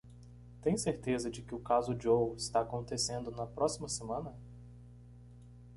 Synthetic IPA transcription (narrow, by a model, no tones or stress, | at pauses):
t̪ẽj̃seɾt̪ezɐd͡ʒɪkɪʊkazʊd͡ʒowɪst̪aːkõnt̪esẽnd̪ʊnɐpɾɔsimɐsemɐ̃nɐ